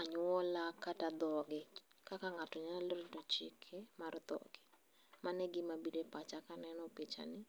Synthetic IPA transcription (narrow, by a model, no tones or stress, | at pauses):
aɲʊɔlakatad̪ɔɡɪ | kakaŋatɔɲalaloɾdɔt͡ʃɪkʰemaɾɔd̪ɔ̰ɡ̥ɪ | manɛɡɪmabidepat͡ʃakanɛnɔpit͡ʃa̰nɪ